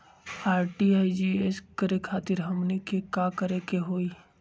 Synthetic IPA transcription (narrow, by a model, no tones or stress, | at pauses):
aːɾʈiaːid͡ʒieskəɾekʰaːt̪ɪɾɦɐmnikʰekakəɾekeɦoːiː